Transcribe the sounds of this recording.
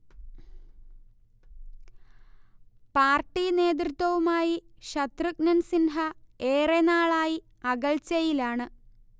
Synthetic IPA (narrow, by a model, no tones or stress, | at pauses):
paːrʈːine̞ːd̪̬rɨt̪wɐʋumaːjiɕɐt̪rɨk̚nɐnsinɦɐeːrenaːɭaːji | ɐɣɐɭt͡ɕɐjilaːɳɨ